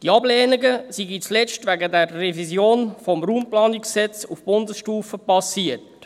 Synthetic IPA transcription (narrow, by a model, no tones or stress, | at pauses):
d̥iɑblɛːniɡəsiɡit͡slɛt͡stʋæɡədɛrːɛvizjoːnfɔmɾuːmplɑːnikssɛt͡sufb̥ʊndəsʃtuːfəpɑsiət